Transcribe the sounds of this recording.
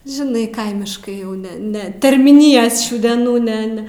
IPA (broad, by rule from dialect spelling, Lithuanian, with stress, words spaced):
ʒʲɪˈnɐɪ ˈkɐɪmʲɪʃkɐɪ jɛʊ ˈnʲɛ ˈnʲɛ tʲɛrʲmʲiːˈnʲɪjɛs ˈʃʲuː dʲɛˈnuː ˈnʲɛ ˈnʲɛ